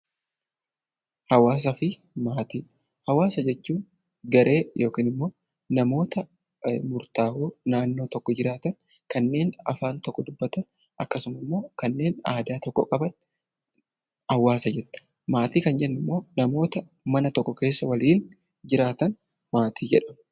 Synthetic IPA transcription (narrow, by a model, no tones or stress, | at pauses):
hɐwaːs̬ɐfɪ | maːt̪iː | hɐwaːsɐd͡ʒɛt͡ʃːuːn | ɡɐɾʔe̞ːjʔo̞ːkiːnɪmːo̞ː | nɐmo̞ːt̪ɐ | mʊɾt̪aːhuːnaːnːo̞ːt̪ɔkːɔd͡ʒɪɾaːt̪ɐn | kɐnːe̞ːnɐ̰faːnt̪ɔkʼːɔd̪ʊbːɐt̪ɐn | ɐkːɐsʊmɐmːo̞ːkɐnːe̞ːnaːd̪aːt̪ɔkːɔ̰kʼɐbɐn | ɐwaːsɐd͡ʒɛnʊ̥ | maːt̪iːkɐnd͡ʒɛnːɪmːo̞ːnɐmo̞ːt̪ɐ | mɐnɐt̪ɔkːɔke̞ːsːɐwɐliːn | d͡ʒɪɾaːt̪ɐn | maːt̪ʰiːd͡ʒɛᶑɐm